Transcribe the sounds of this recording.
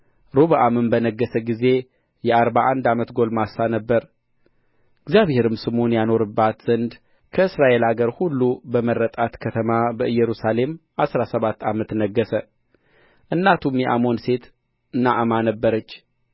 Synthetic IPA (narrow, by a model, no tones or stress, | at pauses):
ɾoβaʔamɨmbənəɡːəsəɡize̞ | jɛaɾβaʔand̪amət̪ɡo̞lmasanəbːəɾ | ɨɡzjaβhe̞ɾɨmsɨmonjano̞ɾɨbːat̪z̥ənd̪ | kʰəɨsɾaʔe̞laɡəɾhulːubəmərːət̪ʼat̪kʰət̪ʰəmabəʔɨjːɛɾusale̞m | asɾasəβat̪ːamət̪nəɡːəsə | ʔɨnːat̪ʰumjɛʔamo̞nse̞t̪ | ɨnːaʔɨmanəbːəɾət͡ʃː